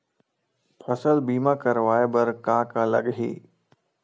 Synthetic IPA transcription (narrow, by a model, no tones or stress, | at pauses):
pʰɐsəlbiːmakəɾʋaːebəɾkãːkalɐɡɦḭː